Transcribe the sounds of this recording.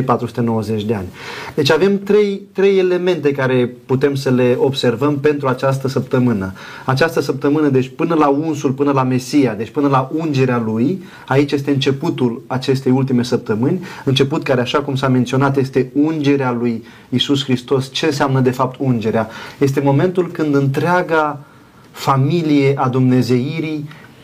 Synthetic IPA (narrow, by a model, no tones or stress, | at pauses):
pat̪ɾusu̥t̪e̞no̞wəze̞t͡ʃʲd̪e̞anʲd̪e̞t͡ʃʲave̞mt̪ɾe̞jt̪ɾe̞je̞le̞me̞nt̪e̞kaɾe̞put̪e̞msəle̞o̞bse̞rvəmpe̞nt̪ɾuat͡ʃast̪əsəp̚t̪əmɨnə | at͡ʃast̪əsəp̚t̪əmɨnəd̪e̞t͡ʃʲpɨnəlaunsulpɨnəlame̞sijad̪e̞t͡ʃʲpɨnəlaʔund͡ʒe̞ɾealuj | ait͡ʃje̞s̬t̪e̞ɨnt͡ʃe̞put̪ulat͡ʃe̞st̪e̞jult̪ime̞səp̚t̪əmɨnʲɨnt͡ʃe̞put̪kaɾe̞aʃakumsament̪sio̞nat̪je̞st̪e̞und͡ʒe̞ɾealuj | isuskɾist̪o̞st͡ʃe̞ns̬eamnəd̪e̞fap̚t̪ʰund͡ʒe̞ɾeaje̞s̬t̪e̞mo̞me̞nt̪ulkɨnd̪ɨnt̪ɾeaɡa | familijeʔad̪umne̞ze̞iɾi